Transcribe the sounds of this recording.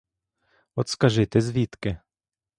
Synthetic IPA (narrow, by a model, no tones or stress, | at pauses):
ot̪skaʒet̪ɛzviːt̪kɛ